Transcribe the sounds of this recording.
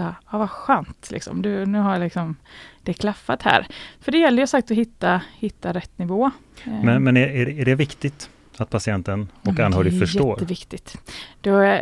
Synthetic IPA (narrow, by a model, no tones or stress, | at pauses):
aɑːvaɧøːnt̪lɪ̰ksɔ̰md̪ɵnʉ̟ːɦaɭɪksɔmd̪̥ɛkʰlafːat̪hæ̰ːɾfœɖɛjɛlːəɾjʉsak̚t̪ɔɦɪt̪ːahɪt̪ʰːaɾɛt̪ːnɪvoːmɛnmɛnææɖæɖɛvɪkt̪ɪt̪ | at̪̚pʰasɪɛnt̪ənɔkanhœːɾɪfœʂɛoːɾəvɪkt̪ɪt̪d̪̥ɛ